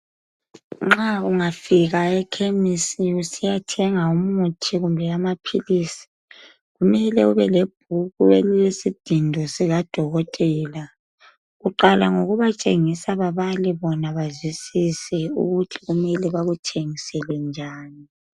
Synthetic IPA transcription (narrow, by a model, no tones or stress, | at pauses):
ŋ͡ǁauŋafiɣaɛkʰemisiusijatʰɛŋaumutʰiɣumbʱɛamapʰiliːsi̥ | ɣumɛlɛuβɛleb̥̚ʱuɣueliwesid̥ʱindʱɔsɛɣad̥ʱɔɣɔtʼɛːla | ɣuǃalaŋoɣuβat͡ʃʼeŋisaβaβaliβɔnaβazwisisɛṵɣutʰiɣumɛliβaɣutʰʼeŋisɛlwɛnd͡ʒʱaːni